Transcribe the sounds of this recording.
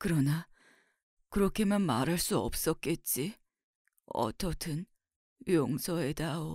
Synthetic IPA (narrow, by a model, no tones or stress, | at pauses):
kɯɾʌna | kɯɾʌkʰemanmaɾaɭs͈uʌ̰p̚s͈ʌk͈et̚t͡ɕ͈i | ʌ̰tʰʌtʰɯn | joŋsʰʌedao